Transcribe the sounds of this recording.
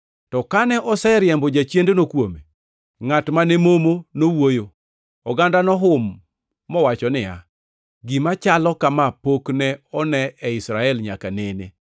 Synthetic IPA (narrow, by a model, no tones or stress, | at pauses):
tɔkanɛʔɔsɛɾjɛmbɔd͡ʒat͡ʃjendonokwome | ŋatmanɛmomonowojo | ɔɡandanɔɦʊmː | ɔwat͡ʃɔnɪa̰ | ɡɪmat͡ʃalɔkamapoknɛɔnɛɛɪsɾaɛlɲakanene